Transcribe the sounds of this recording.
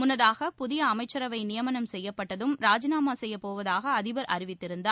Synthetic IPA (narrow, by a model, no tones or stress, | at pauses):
mʊnːɐðaːɣɐpʊðɪjɐːmɐɪt͡ʃːɐɾɐʋɐɪnɪjɐmɐnɐmsɛjːɐpːɐʈːɐðɯmɾaːd͡ʒɪnaːmaːsɛjːɐpːoːʋɐðaːɣɐːðɪbɐɾʔɐɾɪʋɪt̪ːɪɾɯnd̪aː